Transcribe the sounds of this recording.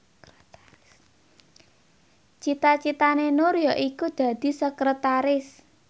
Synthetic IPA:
t͡ʃit̪at͡ʃit̪anenoɾjɔʔikud̪̥ä̤d̪̥i̤səkɾət̪aɾɪs

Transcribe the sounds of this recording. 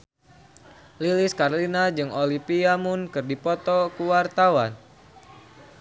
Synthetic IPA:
liliskarlinad͡ʒɨŋolipiamunkɨrdipɔt̪ɔkuwart̪awan

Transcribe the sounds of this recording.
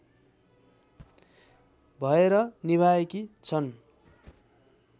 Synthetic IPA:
bʱʌeɾʌnibʱaekit͡sʰʌn

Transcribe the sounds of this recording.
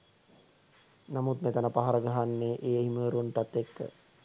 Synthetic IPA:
namut̪met̪ənəpaɦaɾəɡaɦanːeːʔeːeɦiməːɾunʈat̪ːekːə̰

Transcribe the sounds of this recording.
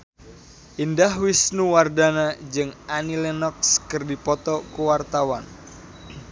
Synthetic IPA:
ʔindahwisnuwardanad͡ʒɨŋanilɛnɔk̚skɨrdipɔt̪ɔkuwart̪awan

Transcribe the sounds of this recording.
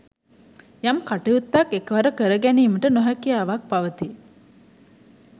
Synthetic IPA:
jɐmkaʈejut̪ːɐkːekəʋɐɾəkəɾəɡæniːməʈənoɦækijaːʋak̚pɐʋət̪i

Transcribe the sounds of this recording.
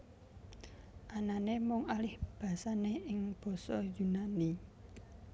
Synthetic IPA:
ʔananemʊŋalɪhb̥a̤saneɪŋb̥ɔ̤sɔjunani

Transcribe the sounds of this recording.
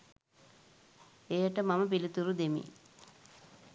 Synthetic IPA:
ejəʈəmamɐpilit̪uɾud̪emḭ

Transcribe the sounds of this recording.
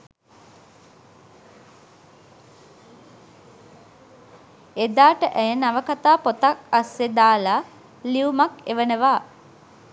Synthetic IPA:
ed̪aːʈəʔæjenaʋəkat̪aːpot̪akasːed̪aːla | liumakḛʋənəʋaː

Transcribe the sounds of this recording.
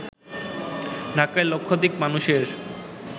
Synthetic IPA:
ɖʱakaelokʰːod̪ikmanuʃeɾ

